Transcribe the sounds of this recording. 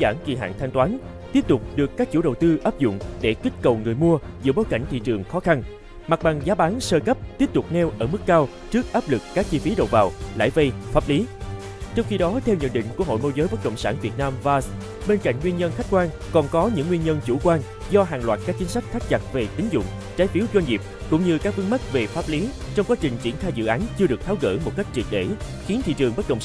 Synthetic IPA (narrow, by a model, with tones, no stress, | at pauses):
za̰ː˧˩ŋki˨˩ɦa̰ː˧˨ŋt̪ʰa˧jŋ̟t̪waː˨˦n | t̪i˦˥əp̚t̪ʊ˨˩k͡p̚ɗɨ˨˩əkːaː˦˥k̚t͡ɕṵ˧˥ɗə˨˩wt̪ɨ˧ʔaː˦˥p̚zʊ̰˧˨ŋ͡mɗe˧˩kï˦˥t̟̚kə˨˩wŋɨ˨˩əjmu˧əzɨ̰˧˥əɓoː˨˦jka̰˧˩ŋ̟t̪ʰḭ˧˨t͡ɕɨ˨˩əŋxɔ˨˦xa˧n | ma˨˩ɓa˨˩ŋzaː˨˦ɓaː˨˦nsəː˧kə˦˥p̚t̪i˦˥əp̚t̪ʊ˨˩k͡p̚nɛ˧wʔəː˧˩mɨ˦˥kːaː˧w | t͡ɕɨ˦˥ək̚ʔaː˦˥p̚lɨ˨˩kːaː˦˥k̚t͡ɕi˧fi˨˦ɗo̰˨˩vaː˨˩wla̰ː˧˩jvə˧jfaː˦˥p̚li˨˦ | t͡ɕɔ˧wŋ͡mxi˧ɗɔ˨˦t̪ʰɛ˧wɲə̰˧˨nɗḭ̈˧˨ŋ̟ku˧˩əɦo̰˧˨jmo˧jzəː˨˦jə˦˥t̚kə̰˧˨wŋ͡msaː˧˩nvi˨˩ət̚naː˧mvaː˧s | ɓe˧nka̰˧˨ŋwi˧ənɲə˧nxa˦˥k̟̚kwaː˧n | kɔ˨˩nkɔ˨˦ɲɨ̰˧˥ŋːwi˧ənɲə˧nt͡ɕu˧˩kwaː˧n | zɔ˧ɦaː˨˩ŋlwaː˨˩t̚kaː˦˥k̚t͡ɕï˨˦ŋsa˦˥k̟̚t̪ʰa˦˥k̚t͡ɕa˨˩t̚ve˨˩t̪ï˨˦ŋ̟zʊ̰˧˨ŋ͡mt͡ɕaː˨˦jfi˨˦wzwa˧jŋ̟ŋi˨˩p̚kʊ̰˧˥ŋ͡mɲɨ˧kaː˦˥k̚vɨ˨˦ŋma˦˥t̚ve˨˩faː˦˥p̚li˨˦ | t͡ɕɔ˧wŋ͡mkwa˨˦t͡ɕï˨˩ŋ̟t͡ɕi˧˩ənxaː˧jzɨ̰˧˨ʔaː˨˦nt͡ɕɨ˧əɗɨ˨˩ək̚t̪aː˨˦wɣə̰ː˧˩mo˨˩t̚ka˦˥jk̚t͡ɕi˨˩t̚ɗḛ˧˩ | xi˨˦nt̪ʰḭ˧˨t͡ɕɨ˨˩əŋɓə˦˥t̚kə̰˧wŋ͡m